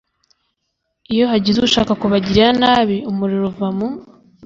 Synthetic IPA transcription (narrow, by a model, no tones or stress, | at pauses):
ijo̞ɦaɟizuʃaːkakuβaɟiɾianaːβiumuɾiɾuvamu